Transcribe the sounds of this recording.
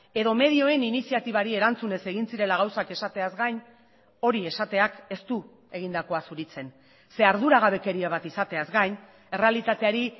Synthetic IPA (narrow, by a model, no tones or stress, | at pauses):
e̞ðo̞me̞ðio̞e̞ninisiat̪iβ̞aɾie̞ɾant͡sune̞se̞ɣ̞insiɾe̞laɣ̞awsake̞sat̪eazɡajn | o̞ɾie̞sat̪e̞ake̞st̪u | e̞ɣind̪ako̞asuɾit͡se̞n | se̞aɾð̞uɾaɣaβ̞e̞ke̞ɾiaβ̞at̪isat̪e̞azɣajn | e̞re̞alit̪at̪e̞aɾi